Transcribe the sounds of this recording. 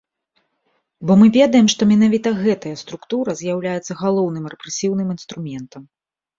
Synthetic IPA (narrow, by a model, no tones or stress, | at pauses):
bɔmɨvʲɛd̪ɐjɛmʂt̪ɔmʲinavʲit̪ɐɣɛt̪ɐjɐst̪ɾukt̪uɾɐzʲjawlʲajɛt̪sːɐɣalˠɔwnɨmrɛpɾɛsʲiwnɨminst̪ɾumʲɛnt̪ɐm